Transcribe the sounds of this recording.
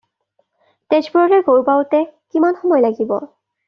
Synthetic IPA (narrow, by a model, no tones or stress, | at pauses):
ted͡ʒbɔɹɹɛɹɡoɹpawtɛkimanxɔmɔjlaɡibɔ̰